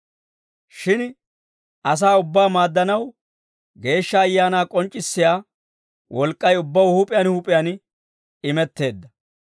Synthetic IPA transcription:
ʃɪn | ʔɐs̬aːʊbːaːmaːd̪ːɐnɐw | ɡe̞ːʃːɐːjːaːnaːkʼɔnt͡ʃʼːɪsːɪjaː | wʔɔlkʼːɐjʊbːɐwhʊpʼɪjanhʊpʼɪjan | ɪmɛt̪ːe̞ːd̪ːɐ

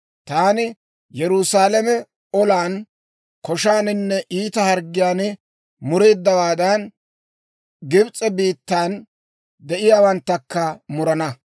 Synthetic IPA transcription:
t̪aːnɪ | jɛɾʊsaːlɐmɛ | ɔlaːn | kɔʃaːnɪnːɛʔiːt̪ɐhɐɾɡːɪjaːnɪ | mʊɾe̞ːd̪ːɐwaːd̪ɐn | ɡɪbt͡sʼɛbiːt̪ːaːn | d̪ɛʔɪjaːwɐnt̪ːɐkːɐmʊɾɐnɐ

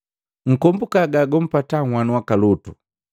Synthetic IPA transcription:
ŋ̩kɔmbukaɡaɡɔm̩pataŋwanuwakalutu

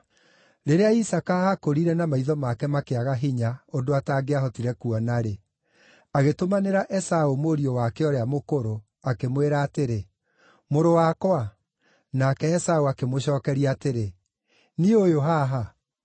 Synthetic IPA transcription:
ɾeɾeaisakahakoɾiɾɛnamaiðɔmakɛmakeaɣaɦiɲaondoataɡeaɦɔtiɾɛkuɔnaɾe | aɣetomaneɾaʔɛsaomoɾiowakɛɔɾeamokoɾo | akemweɾaːteɾe | moɾowakwa | nakɛːsaoakemoɕɔːkɛɾiaateɾe | niojoɦaɦa

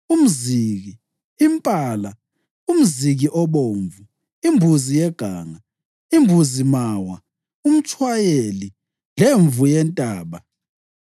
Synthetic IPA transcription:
um̩ziɣiː | mpʼaːla | um̩ziɣiʔɔβoɱvu | imbʱuzijɛɡ̥ʱaːŋa | imbʱuzimawa | um̩t͡ʃʰwajeli | leɱvujɛntʼaːβa

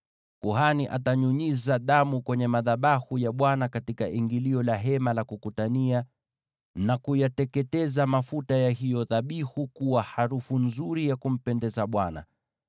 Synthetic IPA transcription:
kuɦaniʔa̰taɲuɲizaɗamukwɛɲɛmaðaɓahujaɓwanakatikaʔiŋɡiliɔlaɦɛmalakukutania | nakujatɛkɛtɛzamafutajahijɔðaɓihukuwahaɾufunzuɾijakum̩pɛndɛzaɓwana̰

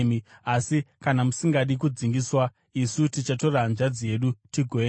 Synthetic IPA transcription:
miasikanamusiŋɡaɗik̬ud͡ziŋɡiswa | isutit͡ʃato̞ranʐad͡zije̞ɗutiɡʱoe

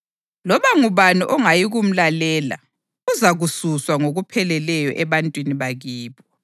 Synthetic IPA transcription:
lɔβaŋuβaniʔɔŋajiɣum̩lalɛːla̰ | ɣuzaɣususwaŋoɣupʰɛlɛlɛjɔʔɛβantʼwiniβaɣiːβɔ

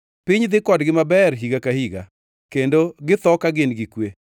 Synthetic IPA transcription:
pɪɲd̪ɪkɔdɡɪmabɛɾɦiɡakahiɡa̰ | kendoɡɪt̪ɔkaɡɪnɡɪkwe

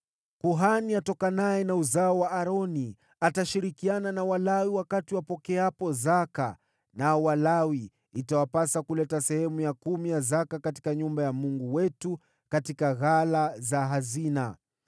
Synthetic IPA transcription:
kuɦaniatɔkanajɛnauzaɔwaʔaɾɔni | ataʃiɾikiananawalawiwakatiwapɔkɛapɔzaka | naɔwalawi | itawapasakulɛtasɛhɛmujakumijazakakati̥kaɲumbajamuŋɡuwɛtu | katikaɣalazaɦazina

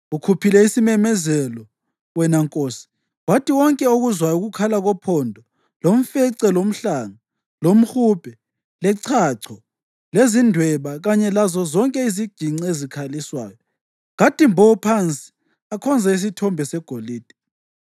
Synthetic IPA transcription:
ukʰupʰilɛisimɛmɛzɛlɔ | wɛnaŋkʼoːsi̥ | watʰiwɔŋkʼɛoɣuzwajuɣukʰalaɣɔpʰɔndʱɔ | lom̩fɛǀɛlom̩ɬaŋa | lom̩xuːpʰʼɛ | lɛǀʰaǀʰɔ | lezindʱwɛβaɣaɲɛlazɔzɔŋkʼɛiziɡ̥ʱiŋ͡ǀezikʰaliswa̰ːjɔ | ɣatʼimbʱɔpʰant͡sʼi̥ | akʰɔnd͡zʱais̬itʰɔmbʱɛsɛɡ̥ʱoliːd̥ʱɛ̥

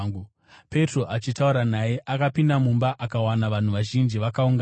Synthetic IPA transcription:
u | pe̞tro̞ʔat͡ʃitauɾanaje̞ʔakapindamumbaʔakawanaʋan̤uʋaʒind͡ʒiʋakauŋɡa

